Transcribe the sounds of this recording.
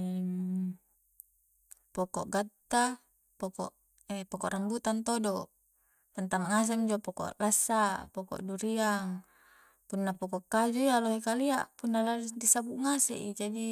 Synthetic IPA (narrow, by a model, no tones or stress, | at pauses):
pokɔʔɡat̪ːa | pokɔ̰ʔ | ɛpokɔ̰ʔɾambut̪ant̪odo | t̪ant̪aŋːas̬ɛmd͡ʒopoko̰ʔlasːapoko̰ʔduɾiaŋ | punːapokɔʔkːad͡ʒuialoɦekaliaʔpunːaladisabuʔŋasḛʔid͡ʒadi